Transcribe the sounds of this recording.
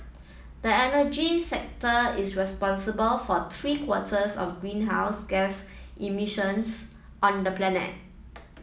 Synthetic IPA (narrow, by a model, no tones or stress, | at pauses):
dəɛnəd͡ʒisɛk̚təɪsɹɛspɔ̃nsəbəlfɔt̪ʰɹiːkʰwɔtʰəsɔ̰fɡɹĩnɦaʊsɡɛsʔimiʃə̃ns | ʔɔ̃ndəplɛnə̰t̚